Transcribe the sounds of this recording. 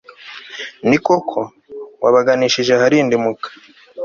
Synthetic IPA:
nikokʰo | wa̰βaɡaniʃiʒe̞haɾindimukḁ

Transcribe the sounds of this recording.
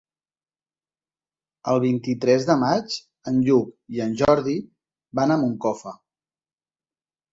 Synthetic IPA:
əlˠβ̞int̪it̪ɾɛzðəmat͡ʃ | ənʎukiənʲʒɔɾði | βanəmuŋkɔfə

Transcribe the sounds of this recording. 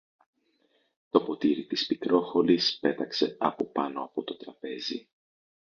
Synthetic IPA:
t̪o̞po̞t̪iɾit̪ispikɾo̞xo̞lispe̞t̪ɐkse̞ɐpo̞pɐno̞ɐpo̞t̪o̞t̪ɾɐpe̞zḭ

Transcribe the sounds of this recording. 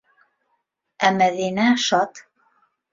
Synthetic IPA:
æmæðinæʃɑt̪

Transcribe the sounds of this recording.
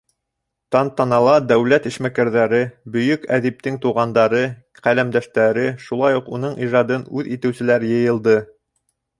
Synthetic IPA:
t̪ɑnt̪ɑnɑlˠɑd̪æwlæt̪iʃmækæɾðæɾɘbɵ̆jɵkæðip̚t̪ɘŋt̪uʁɑnd̪ɑɾɤ | qælæmd̪æʃt̪æɾɘʃulˠɑjuqunɤɴʔiʒɑd̪ɤnʉðit̪ɘ̆wsɘ̆læɾjɤ̆jɤ̆lˠd̪ɤ

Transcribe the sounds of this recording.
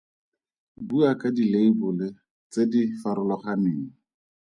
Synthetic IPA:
buakadileibʊlɪ | t͡sedifaɾʊlɔχaneːŋ̩

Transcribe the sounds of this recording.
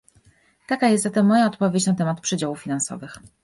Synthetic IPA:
t̪akajɛst̪zat̪ɛmːɔjaɔt̪pɔvʲet͡ɕnat̪ɛmat̪pʂɘd͡ʑawuffʲinansɔ̰vɘx

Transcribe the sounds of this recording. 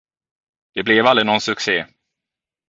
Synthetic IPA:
d̪̥ɛblɛvalɾɪnɔnsɵkseː

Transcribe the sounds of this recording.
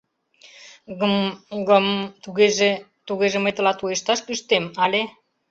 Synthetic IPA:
əmɡəmt̪uɣeʒe | t̪uɣeʒeməjt̪ə̆lɑt̪ujeʃt̪ɑʃkyʃt̪emɑle

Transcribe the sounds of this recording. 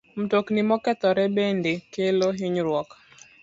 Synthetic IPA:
m̩toknimɔkɛt̪ɔɾɛbendekeloɦiɲɾwɔk

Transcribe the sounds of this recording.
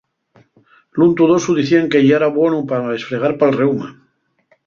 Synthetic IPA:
lunt̪uðosuðiθiaŋkeʎeɾaβwenupaðesfɾeɣ̞aɾpalrewma

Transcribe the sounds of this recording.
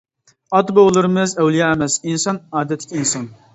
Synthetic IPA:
ɑt̪boʁlˠɨɾɨmɨzæwlˠijɑɛmɛsinsɑnɑːd̪ɛt̪ʰːɪ̥kʲinsɑn

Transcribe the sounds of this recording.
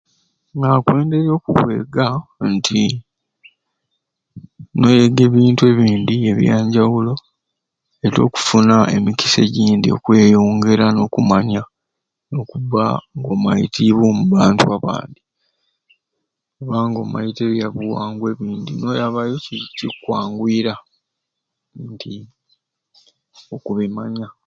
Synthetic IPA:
ŋakwe̞ːnde̞ɾjo̞ːkuβwe̞̰ːɡantʰi | no̞jeɡe̞ːβiːntue̞ːβiːndie̞βjaːɲɟawulo̞ | eto̞̰ːku̥funaḛmiki̥se̞ɟiːndio̞̰kwe̞ːjo̞ːŋɡe̞ɾano̞ːkumaɲa | no̞ːkuβaŋɡo̞majḭtʰiβwomuβaːntuaβa̰ːnd̪i | kuβaŋɡo̞̰ma̰jiteβjaβuwaːŋɡwe̞ːβiːnd̪ḭno̞jaβajocicikwaːŋɡwiːɾa | ntʰi | okuβemaɲa

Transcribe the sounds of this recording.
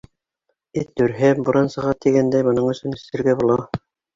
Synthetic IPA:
ɘt̪ːɵ̆ɾɦɘbŏɾɑnsɤ̆ʁɑt̪iɡænd̪æjmŏnɤɴɵ̆sɵnɘ̆sɘ̆ɾɡæbolˠɑ

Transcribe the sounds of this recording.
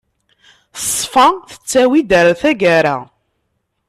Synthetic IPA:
sˤfɑθə̥t͡sːæwid̪æɾθæɡaɾæ̰

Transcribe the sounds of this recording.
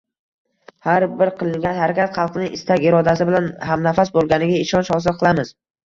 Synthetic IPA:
haɾbɪɾqʰɨlˠɪŋɡʲanhaɾakʲʰat̪χɑlˠqnɪʔɪst̪ʰaɡʲɪɾɒd̪asɪbɪlanhamnafasbolˠɡʲanɪɡʲaɪʃɒnʃhɒsɪlˠqʰɨlˠamɪz̥

